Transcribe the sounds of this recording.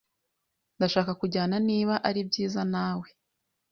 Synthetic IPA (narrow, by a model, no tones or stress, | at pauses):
ndaʃaːkakuɟaːnaniːβaʔaɾibɟiːzanaːwe̞